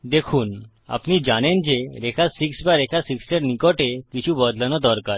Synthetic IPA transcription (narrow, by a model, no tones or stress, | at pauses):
d̪ekʰuːn | a̰pnid͡ʑañend͡ʑeɾekʰasiksbaɾekʰasikseɾnikɔʈekit͡ɕʰubɔd̪ʱlanɔd̪ɔɾkaɾ